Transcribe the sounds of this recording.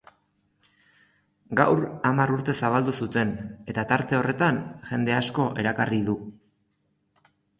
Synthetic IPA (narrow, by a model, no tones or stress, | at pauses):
ɡawramaɾuɾt̪e̞saβ̞ald̪usut̪e̞ne̞t̪at̪aɾt̪e̞o̞re̞t̪anʝe̞nd̪e̞asko̞ʔe̞ɾakariðu